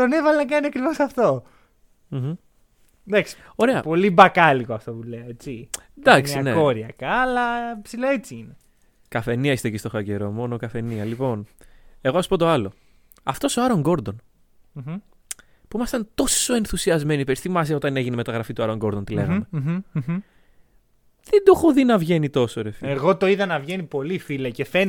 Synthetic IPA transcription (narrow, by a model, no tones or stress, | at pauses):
t̪o̞nevɐlenɐkɐniɐkɾivo̞sɐft̪o | m̩ | d̪ɐksi̥ | o̞ɾeɐpo̞libɐkɐlikoɐft̪opuleoet͡sid̪ɐksiɐneo̞ɾiɐkɐːlɐpsiloet͡siine | kɐfe̞niɐist̪ecist̪o̞xɐceɾo̞mo̞nokɐfe̞niɐlipo̞ne̞ɣoɐsu̥po̞t̪oɐlo̞ | ɐft̪o̞soɐɾo̞ŋɡo̞ɾd̪o̞n | puimɐst̪ɐnt̪o̞so̞e̞nθusiɐzme̞nipeɾist̪imɐseo̞t̪ɐne̞ʝineme̞t̪ɐɣɾɐfit̪uɐɾo̞ŋɡo̞ɾd̪ont̪ile̞̰ɣɐme | ðed̪oxoðinɐvʝe̞nit̪o̞soɾefieɣo̞t̪oiðɐnɐvʝe̞nipo̞lifilɐcefen